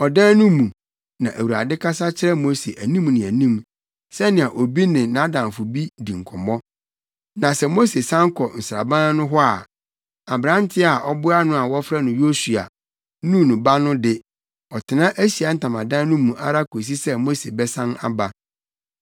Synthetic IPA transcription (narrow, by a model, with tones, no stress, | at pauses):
ɔ˨dã˦nʊ̃˦mũ˨ | nã˨ʔæ˨wu˨a̰˨dɪ˦kʰa˦sa˦t͡ɕʰɪ˦ɾɛ˦mo˦se˨ʔæ˨nĩ˦mnɪ̃˨æ˨nĩ˦˨m | sɛ˦nɪ̃˨a˨ʔo˨bi˦nɪ̃˨nã˦dã˨nfʊ˨bi˦dĩ˨ŋ̩˨kʰɔ̰˨mɔ̃˦ | nã˨sɛ˨mo˦se˨sã˦ŋ˦kʰɔ˨n̩˨sɾa̰˨bã˦nʊ̃˦ɦɔ˦a˨ | a˨bɾã˦n˦tʰɪ˦a˨ʔɔ˦bʊ˦a˦nʊ̃˦a˨wɔ˦fɾa˦nʊ̃˨jo˦su˨a̰˨ | nũ˦˨nʊ̃˨ba˦nʊ̃˦dɪ˦ | ɔ˨tʰɪ˨nã˦ʔæ˦ɕi˨a˨n̩˦tʰã˨mã˨dã˦nʊ̃˦mũ˨ʔa̰˦ɾa˦kʰo˨s̬i˦sɛ˦mo˦se˨bɛ˦sã˦na̰˨ba˦